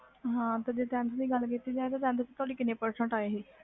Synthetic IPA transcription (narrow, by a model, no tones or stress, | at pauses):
ɦãːt̪ed͡ʒet̪ɛ̃ːnsd̪iːɡəlkit̪iːd͡ʒaːẽt̪aːt̪ɛ̃ːnst͡ʃːt̪ʊaːɽiːkɪnẽːpəɾsə̃ɳʈaːeːɦiː